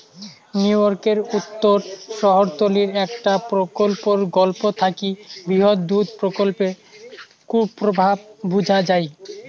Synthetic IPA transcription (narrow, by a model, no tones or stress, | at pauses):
njujoɾkeɾut̪ːoɾʃɔɦoɾt̪oliɾɛkʈapɾokolpoɾɡɔlpot̪ʰakibɾiɦod̪d̪ud̪pɾokolpe | kuɾpɾobʱab̚bud͡ʑʱad͡ʑaj